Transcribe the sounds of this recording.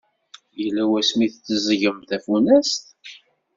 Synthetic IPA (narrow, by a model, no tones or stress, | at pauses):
jəlːæwæsmiθt͡sːəzʝəmθæfunæst̪